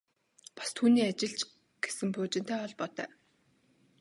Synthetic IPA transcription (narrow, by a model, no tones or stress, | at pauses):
pḁst̪ʰuːniːat͡ɕɪ̆ɮt͡ɕ | ɡ̥e̥sɘ̆mpʊːt͡ɕɪ̆nt̪ʰæːɔɮpɔt̪œ̰ː